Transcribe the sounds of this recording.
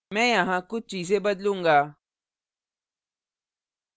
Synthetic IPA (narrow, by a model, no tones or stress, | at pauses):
mɛ̃jãɦãkʊt͡ʃiːs̬ebəd̪lũŋɡaː